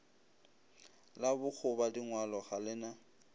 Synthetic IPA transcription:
labʊk͡xʰʊbadiŋwalɔχalɪna

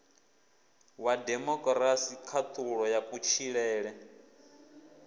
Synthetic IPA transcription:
wadɛmɔkʼɾasikʰat̪ʰʼuɺɔjapʼut͡ʃʰiɺɛːɺɛ

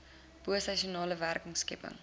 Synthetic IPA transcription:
b̥uəsɐʃionɑːləværkəŋskɛpə̰ŋ

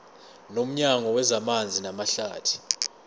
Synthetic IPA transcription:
nom̩ɲaŋɔwɛzamand͡zʱinamaɬaːtʰi̥

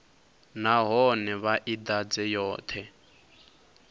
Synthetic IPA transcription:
naɦɔnɛβaʔid̪ad͡zɛjɔːt̪ʰɛ

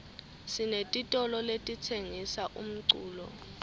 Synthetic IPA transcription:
sinetʼitʼɔlɔletʼitʰeŋisaʔṵm̩ǀuːlɔ̰

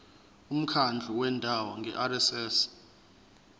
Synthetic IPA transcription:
um̩kʰand͡ɮʱuwɛndʱawɔŋɡʱɛ̰ʔarɛsɛːs

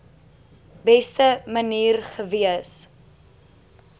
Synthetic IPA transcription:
bɛstəməniːrχəviəs

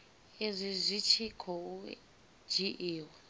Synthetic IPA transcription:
ezʷizʷit͡ʃʰikʰɔu | d͡ʒiʔiːw

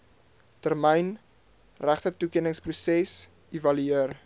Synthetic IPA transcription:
tərmɛjn | ræχtətukiənəŋsprusɛs | ivɐlyiər

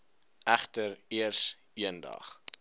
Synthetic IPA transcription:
ʔæχtəriərs | iəndɐ̰χ

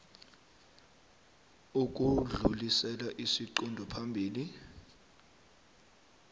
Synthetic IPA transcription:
uk̬uɮulisɛlaʔisiǃundʱɔpʰambʱiːli

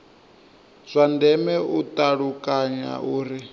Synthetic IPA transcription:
z̥ʷandɛmɛutʼaɺukʼaɲa̰ʔuːɾi

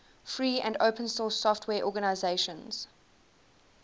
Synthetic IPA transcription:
fɹiːʔə̰̃ndoʊpʰə̃nsɔːˑsːɔftʰwɛːʔɔːɡənaɪzeɪʃə̃nz̥

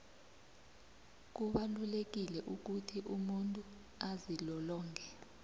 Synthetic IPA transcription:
k̬uɓalulek̬ilɛʔuk̬utʰiʔumuntʼu | azilɔlɔːnd͡ɮʱɛ

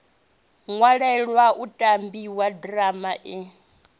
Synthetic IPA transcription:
ŋwaɺɛɺwaʔutʼambiwadramaʔi

